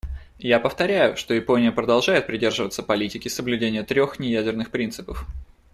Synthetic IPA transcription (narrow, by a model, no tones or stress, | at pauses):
japəft̪ɐɾʲæjʊʂt̪o̞ɪpo̞nʲɪjəpɾəd̪ɐlˠʐajɪt̪̚pɾʲɪdʲe̞rʐɨvət̪səpɐlʲitʲɪkʲɪsəblʲʉdʲenʲɪjət̪ɾʲo̞xnʲɪjædʲɪrnɨxpɾʲint̪sɨpəf